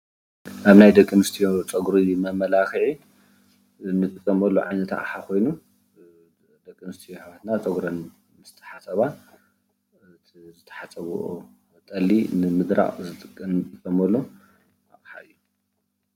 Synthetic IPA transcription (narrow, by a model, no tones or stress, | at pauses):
ʔaβnajd̪ɐkʼːɨmɨst̪ʰijot͡sʼɐɡɾimɐmɐlaxɨʕi | nɨt̪ʼɨkʼːɐmɐlːo̰ʕajnɐt̪ʰa̰ʔʼħakʰo̞jnu | d̪ɐkʼːɨmɨst̪ʰijoħaβat̪nat͡sʼɐɡɾɐn | mɨst̪ʰɐ̥ħasɐβa | zɨt̪ʰɐ̥ħat͡sʼɐβṵʔo | t̪ʼɐlːinɨmɨd̪ɾa̰χʼzɨt̪ʼɨkʼːɐɨt̪ʼɨkʼːɐmɐlːo | aβħa̰ʔɨjːu